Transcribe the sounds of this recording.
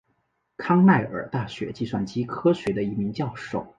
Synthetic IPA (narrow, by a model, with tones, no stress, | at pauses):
kʰɑ˥ŋna˥˩ɪə̰˞˨˩˦t̪a˥˩ɕɥɛ̰˧˥t͡ɕi˥˩ʂwa˥˩nt͡ɕi˥kʰɤ˥ɕɥɛ˧˥d̪ə˧i˧˥mi˧˥ŋt͡ɕjɑ˥˧ʊʂo̰˥˩ʊ